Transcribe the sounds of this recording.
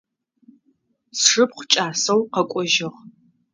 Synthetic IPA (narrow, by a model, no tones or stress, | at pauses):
sʂɨpχʷt͡ʃʼaːsɐwqɐkʷʼɔʒɪʁ